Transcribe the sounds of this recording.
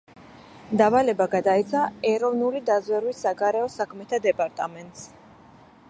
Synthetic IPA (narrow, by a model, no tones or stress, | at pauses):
d̪avalɛbaɡad̪ait̪sʰaɛɾɔvnulid̪azwɛɾwisːaɡaɾɛɔsakʰmɛt̪ʰad̪ɛpʼaɾt̪ʼamɛnt̪ʼs